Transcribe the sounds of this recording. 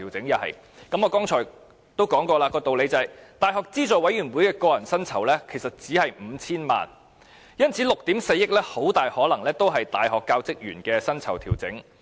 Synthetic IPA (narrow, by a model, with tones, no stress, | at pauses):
iː˨˩wt͡sɪ˨˥ŋjɐ˨˩hɐ̰˨j | kɐ˨˥mɔː˨˧kɔː˥ŋt͡ʃʰɔː˨˩j | t̪o˥wkɔː˨˥ŋkɔː˧laː˧kɔː˧t̪o˨wle˨˧jt͡sɐ˨˩jt̪aː˨jɦɔː˨k̚t͡siː˥t͡ʃɔː˨wɐ˨˥jɥyː˨˩nwuː˨˥jkɛː˧kɔː˧jɐ˨˩nsɐ˥nt͡sʰɐ˨˩wlɛː˥kʰe˨˩sɐ˨t̚t͡siː˨˥hɐ˨jm̩ː˨˧t͡sʰiː˥nma̰ː˨˩n | jɐ˥nt͡sʰiː˨˥lʊ˨k̚t̪iː˨˥mse˧jɪ˥k̚lɛː˥ho˨˥wt̪aː˨jhɔː˨˥lɐ˨˩ŋlɛː˥t̪o˥wɦɐ˨jt̪aː˨jɦɔː˨kːaː˧wt͡sɪ˥k̚jy̰ː˨˩nkɛː˧sɐ˥nt͡sʰɐ˨˩wt̪ʰiː˨˩wt͡sɪ̰˨˥ŋ